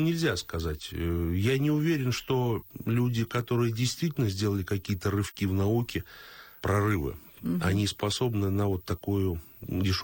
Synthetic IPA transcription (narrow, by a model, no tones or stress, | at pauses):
nʲɪlʲzʲaskɐzatʲjanʲɪʊvʲeɾʲɪnʂt̪o̞lʲudʲɪkɐt̪o̞ɾɨjədʲɪjst̪vʲitʲɪlʲnəzʲdʲe̞lˠəlʲɪkɐkʲijət̪ərɨfkʲivnɐukʲɪpɾɐrɨvɨ̰ɐnʲispɐso̞bnɨnəvo̞t̪ːɐkujʊdʲɪʂ